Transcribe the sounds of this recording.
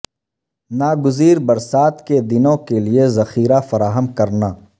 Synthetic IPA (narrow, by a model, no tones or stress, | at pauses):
naːɡʊziːɾbɐɾsaːt̪ked̪ɪnõkeliezɐxiːɾafɐɾaːɦəmkɐɾnaː